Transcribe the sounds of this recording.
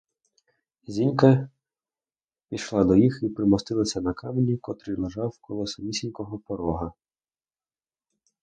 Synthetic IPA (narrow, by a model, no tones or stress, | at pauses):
zʲinʲkɐ | pʲiʃlˠɑd̪ɔjixipɾɪmɔst̪ɪlˠɐsʲɐnɐkɑmnʲikɔt̪ɾɪlˠeʒɑwkɔlˠɔsɐmʲisʲinʲkɔɦɔpɔɾɔɦɐ